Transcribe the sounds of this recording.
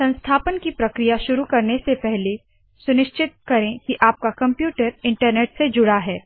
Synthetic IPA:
sɐ̃nst̪ʰaːpənkipɾɐkɾijaʃʊɾukɐɾnesepɛɦle | sʊnɪʃt͡ʃɪt̪̚kɐɾẽkiʔaːp̚kakɐ̃mpjuːʈəɾɪ̃ɳʈəɾneːʈsed͡ʒʊɽaɦɛː

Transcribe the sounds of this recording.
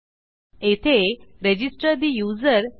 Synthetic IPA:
et̪ʰeɾed͡ʑisʈəɾd̪ijuzəɾ

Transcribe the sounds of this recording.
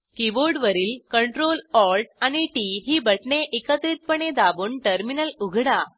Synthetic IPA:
kiboɾɖʋəɾiːlkəɳʈɾolɔɾʈ̚añiʈiɦiːbəʈɳeʔekət̪ɾiːt̪̚pəɳ̃ed̪aʋuːɳʈəɾminəluɡʱɽa

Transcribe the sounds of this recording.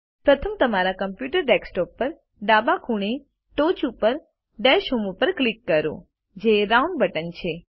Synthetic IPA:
pɾət̪ʰəmt̪əmaɾakəmpjuʈəɾʈɛksʈɔpːəɾ | ɖabakʰuɳ̃e | ʈot͡ʃupəɾ | ɖɛʃɦumupəɾklikːəɾṵ̃ | d͡ʒeɾauɳɖbəʈənt͡ʃʰe

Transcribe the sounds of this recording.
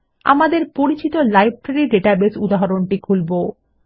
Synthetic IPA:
a̰mad̪eɾpoɾit͡ɕit̪olajb̚pɾeɾiɖeʈabesud̪aɦaɾonʈikʰulbo

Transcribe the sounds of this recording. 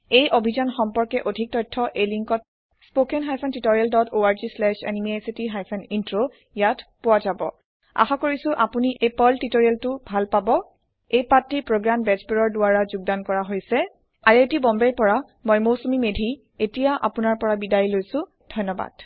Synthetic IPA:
ejʔobʱizanxɔmpɔɹkɛʔodʱik̚tɔjtʰːɔʔejliŋkɔt̚ | spokɛnɦajpʰɛntitoɹialdɔtʰoaɹzislɛʃa̰nimiesitiɦajpʰɛnintɹo | jatpʊwazabɔ̰ | a̰xakoɹisʊ̃ʔapuniʔepɔltitoɹialtʊbʱalpabɔ | ejpatːipɹoɡɹambɛzbeɹɔɹdʊaɹazuɡ̚dankɔɹaɦojsɛ | aɹetibɔmbɛɹpɔɹa | mɔjmosomimedʱi | etijaʔa̰pʊnaɹpɔɹabidajlojsʊ̃ | dʱɔjnɔba̰d̥

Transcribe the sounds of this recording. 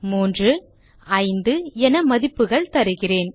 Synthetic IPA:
muːndrɯ | ɐɪnd̪ɯɛnɐmɐðɪpːɯɣɐɭt̪ɐɾɯɣɪreːn

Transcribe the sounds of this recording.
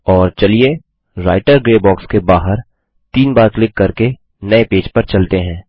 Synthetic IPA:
ɔːɾt͡ʃɐlie | ɾa̰ːɪʈəɾɡɾeːbɔːkskebaːɦəɾ | t̪iːnbaːɾklɪkːɐɾke | nɐepeːd͡ʒpɐɾt͡ʃɐlt̪eɦɛ̃ː

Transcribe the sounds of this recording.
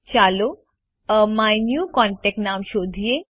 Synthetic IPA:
t͡ʃaːlo | majnjuːkɔɳʈek̚ʈnaːmʃoːd̪ʱije

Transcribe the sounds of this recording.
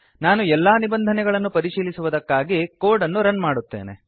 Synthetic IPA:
naːnuɛlːaːnibɐnd̪ʱɐnɛɡɐɭɐnːupɐɾiʂiːlisuʋud̪ɐkːaːɡikoːɾɖɐnːuɾɐnmaːɽut̪ːeːnḛ

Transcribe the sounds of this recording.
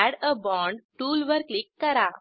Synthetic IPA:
æɽəbɔ̃ɳɖʈuːlʋəɾklikːəɾa

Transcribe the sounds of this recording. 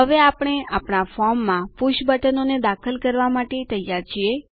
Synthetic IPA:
ɦəʋeapɽ̃eapɳafɔɾmːãpuʃbəʈənoned̪akʰəlkəɾʋamaʈet̪əjːaɾt͡ʃʰie

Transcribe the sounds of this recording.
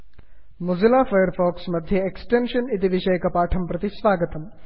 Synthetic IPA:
muzilaːfɐjəɾfɔːksmɐd̪ʱjɐeksʈenʃɐnit̪iʋɪʃɐjkɐpaːʈʰɐmpɾɐt̪isʋaːɡət̪ɐm

